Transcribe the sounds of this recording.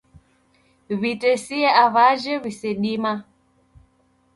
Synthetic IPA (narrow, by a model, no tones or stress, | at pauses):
βitɛsiɛaβaʒɛβisɛɗima